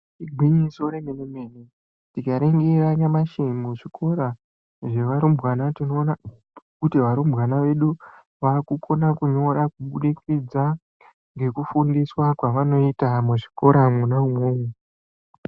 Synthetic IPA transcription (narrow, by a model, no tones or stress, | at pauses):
iɡʱiɲisoɾeŋenemeːne | tikaɾeŋɡeraɲamaʃemoʐikʰo̞ɾa | ʐe̞ʋaɾumbɣanatino̞ːna | kutiʋaɾumbɣanaʋe̞ɗu | ʋakukʰo̞nakuɲo̞ɾakuɓuɗikid͡za | ŋɡe̞kufundiswakwaʋano̞itamuʐiko̞ɾamunaumweːwe